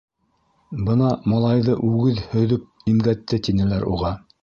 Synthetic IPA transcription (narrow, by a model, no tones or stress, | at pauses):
bɤnɑmɑlˠɑjðɤʔʉɡɘðhɵ̆ðɵp̚imɡæt̪ːɘt̪inɘ̆læɾṵʁɑ